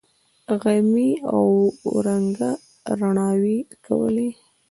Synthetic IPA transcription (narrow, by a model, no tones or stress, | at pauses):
ɣajmiawɾaŋɡa | ɾaɳɑwikʰa̰wə̰li